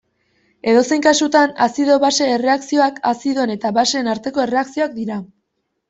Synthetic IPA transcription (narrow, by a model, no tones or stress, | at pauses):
e̞ðo̞se̞jŋkasut̪anasiðo̞βase̞ːre̞aksio̞akasiðo̞ne̞t̪aβase̞ːnaɾt̪e̞ko̞ere̞aksio̞ak̚d̪iɾa